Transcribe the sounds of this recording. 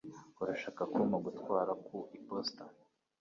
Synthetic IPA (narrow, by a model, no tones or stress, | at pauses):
uɾaʃaːkakumaɡutkwaːɾakuʔiposta